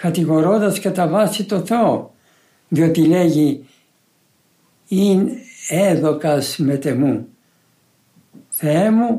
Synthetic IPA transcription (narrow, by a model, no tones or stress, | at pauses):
kɐt̪iɣo̞ɾo̞nd̪ɐskɐt̪ɐvɐsit̪o̞θe̞o | ðiot̪ile̞ʝi | ineðo̞kɐsme̞t̪emu | θeemu